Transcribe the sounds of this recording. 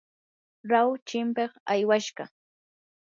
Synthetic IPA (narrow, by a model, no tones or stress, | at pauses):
ɾawt͡ʃɪmpeχajwaʃɢɑ